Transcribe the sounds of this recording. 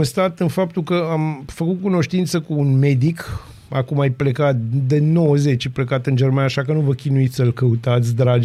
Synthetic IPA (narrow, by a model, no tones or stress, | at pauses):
nst̪at̪ɨnfap̚t̪ulkəamfəkut̪̚kuno̞ʃt̪int̪səkuːnme̞d̪ik | akumajplekat̪̚d̪eno̞wəze̞t͡ʃaplekat̪ɨnd͡ʒe̞rmanaʃakənuvəkʲinuit̪sʲsəlkəut̪at̪sʲd̪ɾad͡ʒ